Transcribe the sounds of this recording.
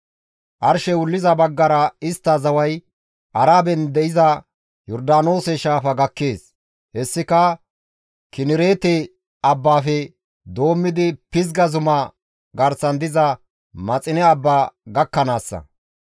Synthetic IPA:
ʔɐɾʃɛwʊlːɪzɐbɐɡːɐɾɐɪst̪ːɐzɐwɐj | ʔɐɾaːbɛnd̪ɛʔɪzɐ | jɔɾd̪aːno̞ːsɛʃaːfɐɡɐkːeːs | hɛsːɪkɐ | kɪnɪɾe̞ːt̪ɛ | ɐbːaːfɛ | d̪o̞ːmːɪd̪ɪpɪz̬ɡɐzʊmɐ | ɡɐɾsɐnd̪ɪzɐ | mɐt͡sʼɪnɛɐbːaːɡɐkːɐnaːsːɐ̰

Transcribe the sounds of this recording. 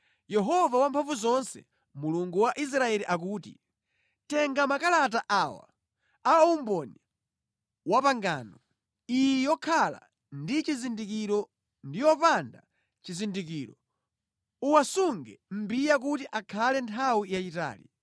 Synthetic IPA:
jɛɦɔvawampʰaɱvuzɔnsɛ̰ | muluŋɡuwaʔis̬ɾaɛliʔak̬uːtḭ | tɛŋɡamakalat̬aʔawa̰ | aɔumbɔna | wapaŋɡaːnɔ | ijɛjɔkʰala̰ | ndit͡ʃizindikiɾɔ | ndijɔpanda̰ | t͡ʃizindikiːɾɔ | uwasuŋɡɛ̰m̩bijak̬utiʔakʰalɛntʰawijat͡ʃita̰ːlḭ

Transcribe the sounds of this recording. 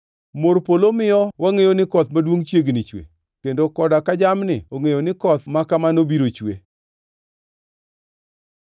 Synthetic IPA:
moɾpolomɪjɔwaŋejonɪkɔt̪madwoŋt͡ʃjeɡnɪt͡ʃwḛ | kendokɔdakad͡ʒamnɪoŋejonɪkɔt̪makamanobiɾot͡ʃwḛ

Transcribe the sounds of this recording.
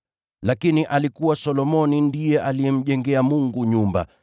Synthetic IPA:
lakiniʔalikuwasɔlɔmɔnindijɛʔalijɛm̩ʄɛŋɡɛamuŋɡuɲumba̰

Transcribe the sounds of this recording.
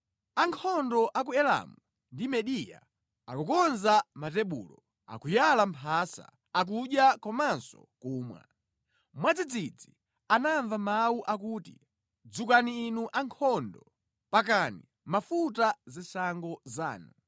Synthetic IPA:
aŋkʰɔndɔʔak̬uɛla̰mu | ndimɛɗija̰ | akukɔnzamatɛɓṵːlɔ | a̰kujalampʰasa̰ | ak̬uɗjakɔmansɔ̰ | kuːmwa̰ | mwad͡zid͡zid͡zi | anaɱvamawuʔakuːti | d͡zukaniːnuʔaŋkʰɔndɔ | pak̬ani | mafutazɛsaŋɡɔza̰ːna

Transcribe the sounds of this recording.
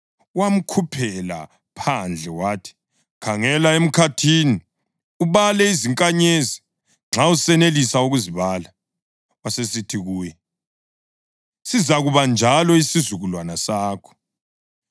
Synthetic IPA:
wam̩kʰupʰɛla̰ | pʰand͡ɮʱɛwaːtʰi̥ | kʰaŋɛlaem̩kʰatʰini | uβalɛiziŋkʼaɲezi | ŋ͡ǁausɛnelisauɣuziβaːla | wasesitʰiɣuːjɛ | sizaɣuβand͡ʒʱalɔisizuɣulwanasaːkʰɔ̥

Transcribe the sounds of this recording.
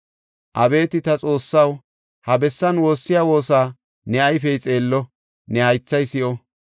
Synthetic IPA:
ʔɐbe̞ːt̪ɪt̪ɐt͡sʼo̞ːsːɐw | hɐbɛsːɐnwo̞ːsːɪjaːwo̞ːsaː | nɛɐjfɛjt͡sʼe̞ːlːɔ | nɛhɐjt͡sːɐjsɪʔɔ

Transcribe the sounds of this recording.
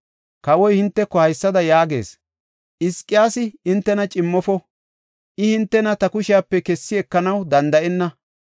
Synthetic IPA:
kɐwɔjhɪnt̪ːɛkːɔhɐjsːɐd̪ɐjaːɡe̞̰ːs | ʔɪskʼːɪjaːsɪɪnt̪ːɛnɐt͡ʃʼɪmːɔfɔ | ʔɪhɪnt̪ːɛnɐt̪ɐkʊʃɪjaːpːɛkɛsːɪɛkːɐnɐwd̪ɐnd̪ɐʔɛnːɐ

